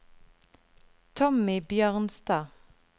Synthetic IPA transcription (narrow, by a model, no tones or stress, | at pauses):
t̪ʰɔmɪbjøːʁnst̪ɑː